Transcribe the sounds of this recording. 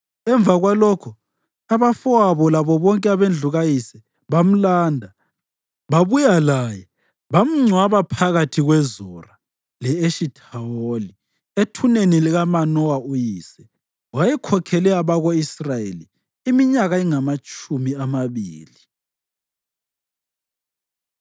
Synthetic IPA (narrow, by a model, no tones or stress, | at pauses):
ɛɱb̪vʱaɣwalɔkʰɔ | aβafɔaβɔlaβɔβɔŋkʼɛaβend͡ɮʱuɣajisɛ | βam̩laːndʱa | βaβujalajɛ | βam̩ŋ͡ǀʱwaβapʰaɣatʰiɣwɛzɔra | lɛeʃitʰaoli | etʰuneniliɣamanɔwaujiːsɛ | wajɛkʰɔkʰɛlɛaβaɣoisrajḛliː | miɲaɣaiŋamat͡ʃʼumiamaβḭːli